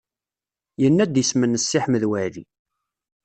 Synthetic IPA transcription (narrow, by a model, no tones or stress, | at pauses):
jənːæd̪əsmənːəsːɪħməðwæʕðḭ